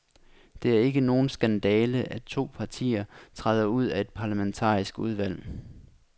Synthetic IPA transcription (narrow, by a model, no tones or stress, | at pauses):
d̥e̝æɐe̝ɡ̥əno̝ːn̩sɡ̥ænd̥ɛːləʔæt͡sʰo̝̰ːpʰɑ̈t͡sʰḭːɐt͡sʰʁaðˠɐuð̞̰ˠæe̝d̥̚pʰɑ̈læment͡sʰɑ̰̈ːisɡ̥uð̞ˠʋæl̰